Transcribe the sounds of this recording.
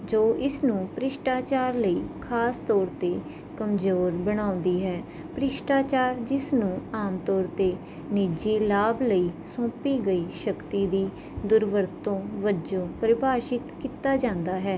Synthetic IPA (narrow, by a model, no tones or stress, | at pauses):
d͡ʒoːʔɪsnũːpɾɪʃʈaːt͡ʃaːɾləiːkʰaːst̪ɔːɾt̪eː | kəmzoːɾbəɽ̃ãːʊ̃nd̪iːɦɛː | pɾɪʃʈaːt͡ʃaːɾd͡ʒɪsnũːaːmt̪ɔːɾt̪eː | nɪd͡ʒiːlaːbləiːsõːpiːɡəiːʃəkt̪iːd̪iː | d̪ʊɾʋəɾt̪õːʋəd͡ʒõːpɾəbaːʃɪt̪kiːt̪aːd͡ʒãːnd̪aːɦɛː